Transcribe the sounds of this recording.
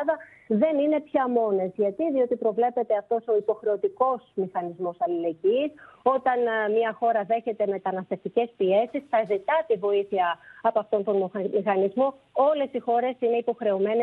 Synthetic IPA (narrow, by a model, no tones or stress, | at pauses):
ðɐ | ðe̞nine̞pçɐmo̞ne̞zʝɐt̪iðio̞t̪ipɾo̞vle̞pe̞t̪eɐft̪o̞so̞ipo̞xɾe̞o̞t̪iko̞smixɐnizmo̞sɐlile̞ɟiːso̞t̪ɐnmɲɐxo̞ɾɐðe̞çe̞t̪e̞me̞t̪ɐnɐst̪e̞ft̪ice̞spie̞sisθɐzit̪ɐt̪ivo̞iθiɐɐpːɐft̪o̞nt̪o̞nmmixɐnizmoo̞le̞sixo̞ɾe̞sine̞ipo̞xɾe̞ome̞ne